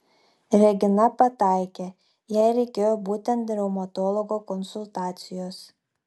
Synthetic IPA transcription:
ɾʲɛɡʲɪnɐpɐt̪ɑˑɪkʲeː | jɛɪɾʲɛɪkʲeːjoːbuːt̪ʲɛnt̪̚d̪ʲɾʲɛʊmɐt̪ɔːlˠɔɡoːkɔnsʊlˠt̪ɑːt̪sʲɪjoːs

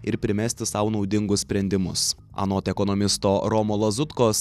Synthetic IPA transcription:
ɪɾpʲɾʲɪmʲæsʲt̪ʲɪsɑʊnɒʊd̪ʲɪŋɡʊssʲpʲɾʲɛnʲd̪ʲɪmʊs | ɐ̰noːt̪ʲɛkɔnɔmʲɪst̪oːɾɔmoːlˠɐzʊt̪koːs

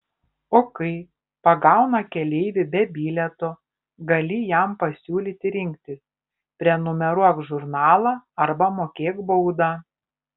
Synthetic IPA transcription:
oːkɐɪ | pɐɡɑˑʊnɐkʲɛlʲɛɪʋʲɪbʲɛbʲiːlʲɛt̪oː | ɡɐlʲɪjæmpɐsʲuːlʲiːt̪ʲɪɾʲɪŋʲk̚t̪ʲɪs | pʲɾʲiɛnʊmʲɛɾuɔkʒʊɾnɑːlˠɑːɐɾbɐmoːkʲeːɡbɐʊd̪ɑː

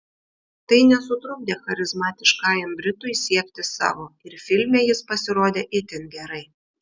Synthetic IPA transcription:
t̪ɐɪnʲɛsʊt̪ɾʊɡ̚d̪ʲeːxɐɾʲɪzmɑːt̪ʲɪʃkɑːjɐmbʲɾʲɪt̪ʊɪsʲiɛkʲt̪ʲɪsɑ̰ːʋoːɪɾfʲɪlʲmʲeːjɪspɐsʲɪɾoːd̪ʲeːʔɪt̪ʲɪnɡʲɛɾɐɪ

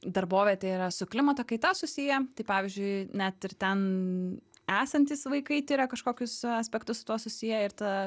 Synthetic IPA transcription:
d̪ɐɾboːʋʲet̪ʲɛiɾɐsʊklʲɪmɐt̪ɐkɐɪt̪ɐsʊsʲijɛt̪ɐɪpɑːʋʲɪzʲd͡ʒʲʊɪnʲɛt̪ɪɾt̪ʲɛn | æːsɐnʲt̪ʲɪsʋɐɪkɐɪt̪ʲɪɾʲɐkɐʃkoːkʲʊsɐsʲpʲɛk̚t̪ʊsʊt̪uɔsʊsʲijɛɪɾt̪ɐ

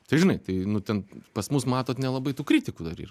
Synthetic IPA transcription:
t̪ɐɪʒʲɪnɐɪt̪ɐɪnʊt̪ʲɛnpɐsmusmɑːt̪oːt̪nʲɛlˠɐbɐɪt̪uːkɾʲit̪ʲɪkuːd̪ɐɾḭːɾɐ

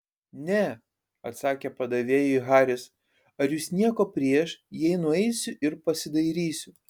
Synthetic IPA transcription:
nʲɛ | ɐt̪sɑːkʲepɐd̪ɐʋʲeːjʊiɣɑːɾʲɪs | ɐɾjusnʲiɛkoːpʲɾʲiɛʃjɛɪnʊɛɪsʲʊʔɪɾpɐsʲɪd̪ɐɪɾʲiːsʲʊ

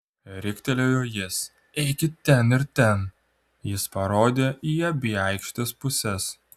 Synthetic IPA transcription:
ɾʲɪkʲt̪ʲɛlʲoːjoːjɪs | ɛɪkʲɪt̪ʲɛnɪɾt̪ʲɛn | jɪspɐɾoːd̪ʲeːiɐbʲiɐˑɪkʃʲt̪ʲɛspʊsʲɛs

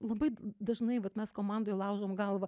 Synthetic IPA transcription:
lˠɐbɐɪd̪ɐʒnɐɪʋɐt̪mʲɛskoːmɑnd̪oːjlˠɑʊʒoːmɡɐlˠʋɐ

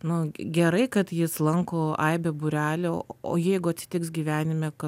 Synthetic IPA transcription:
nʊɡʲɛɾɐɪkɐt̪jɪslˠɐŋkoːɐɪbʲɛbʊɾʲæːlʲoo̰ːjɛɪɡʊɐt̪ʲsʲɪ̥t̪ʲɪksɡʲiːʋʲæːnʲɪmʲɛkɐ

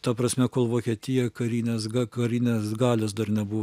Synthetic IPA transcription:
t̪ɐpɾɐsʲmʲɛkoːlˠʋoːkʲiɛt̪ʲɪjɛkɐɾʲiːnʲeːsɡɐkɐɾʲiːnʲeːsɡɑːlʲoːsd̪ɐrnʲɛbʊʋ

